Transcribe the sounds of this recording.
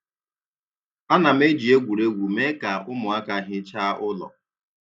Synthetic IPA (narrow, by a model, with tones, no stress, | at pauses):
a˦na˨m̩˦e˦d͡ʒi˨e˦ɡʷu˨ɾe˦ɡʷu˨me˦ka˨ʊ˦mʊ˨a˦ka˨ɦɪ˦t͡ʃa˦ʔʊ˦lɔ̰˨